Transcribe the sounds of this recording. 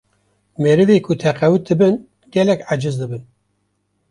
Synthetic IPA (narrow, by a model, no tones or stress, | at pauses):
meɾɨveːkʰut̪ʰɛqɛwɨt̪̚d̪ɨbɨn | ɡɛlɛkʕad͡ʒɨzd̪ɨbɨn